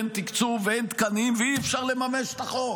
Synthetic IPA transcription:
nt̪ikt͡suveent̪kanimveiɛfʃaʁle̞mameʃt̪aχo

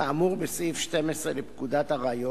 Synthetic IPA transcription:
aːmuʁbesifʃt̪emesʁelepkud̪at̪haʁaːjo

